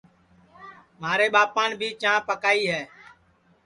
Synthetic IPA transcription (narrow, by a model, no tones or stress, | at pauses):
maːɾeːɓaːpãːnbʱiːt͡ʃãːpəkaːiːɦɛː